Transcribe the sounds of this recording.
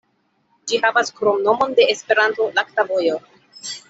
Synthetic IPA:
d͡ʒihavaskɾo̞mno̞mo̞nde̞espe̞ɾanto̞laktavo̞jo̞

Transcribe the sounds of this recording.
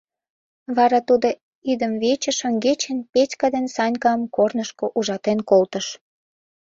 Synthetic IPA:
βɑɾɑt̪ud̪o | id̪əmβet͡ɕə̆ʃəŋɡet͡ɕenpetʲkɑd̪ensɑnʲkɑmkornəʃkoʔuʒɑt̪enkolt̪əʃ

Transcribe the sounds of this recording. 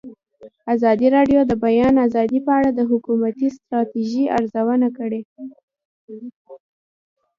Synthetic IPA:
azɑd̪iɾɑɖjod̪əbajɑnazɑd̪ipəaɽad̪əɦʊkumat̪ist̪ɾɑt̪iʒia̰ɾzawənakəɽe

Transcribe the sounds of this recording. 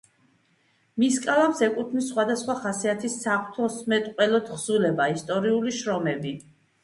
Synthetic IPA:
miskʼalapsɛkʼut̪ʰmisːχwad̪asχwaχasiat̪ʰisːaχt̪ʰɔsmɛt̪ʼqʼwɛlɔd̪ʁz̥ulɛbaist̪ʼɔɾiuliʃɾɔmɛbi

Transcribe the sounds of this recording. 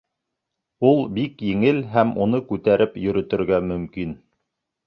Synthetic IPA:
ulˠbikjɘ̆ŋɘlɦæmunɤkʉt̪æɾʔɘpjɵ̆ɾɵ̆t̪ɘ̆ɾɡæmɵ̆mkin

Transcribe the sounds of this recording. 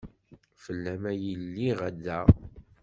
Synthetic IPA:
fəlːæmæjəlːiʁæd̪ːæʁ

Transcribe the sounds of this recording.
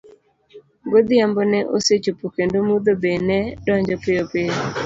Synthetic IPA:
ɡod̪ɪambɔnɛʔoset͡ʃopukendomud̪obenɛdɔɲd͡ʒɔpɪjopɪo

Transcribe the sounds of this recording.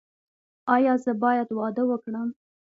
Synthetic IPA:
ɑjɑzəbɑjad̪wɑd̪əwəkɽəm

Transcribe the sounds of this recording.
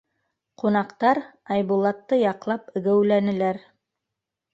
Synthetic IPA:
qunɑqt̪ɑɾɑjβulˠɑt̪ːɤjɑqlˠɑpɘ̆ɡæwlænɘ̆læɾ

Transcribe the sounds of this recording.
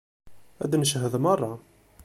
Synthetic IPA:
æ̰d̪nəʃɦəðmɑrˤːɑ

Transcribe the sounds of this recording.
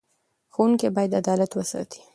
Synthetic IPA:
xowuŋkebɑjad̪ad̪ɑlat̪wəsɑ̰t̪ʰi̥

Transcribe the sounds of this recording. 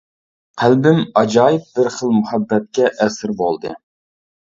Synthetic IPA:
qʰælbɪmɑd͡ʒɑːjɪp̚bɪɾχəlˠmuhɛbːɛt̪̚kʲɛʔɛsɾbolˠd̪ɨ

